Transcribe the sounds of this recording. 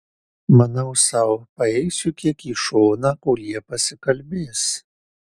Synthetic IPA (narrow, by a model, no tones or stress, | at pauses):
mɐnɐʊsɑʊpɐɛɪsʲʊkʲiɛkiːʃoːnɑːkʊːjiɛpɐsʲɪkɐlʲbʲeːs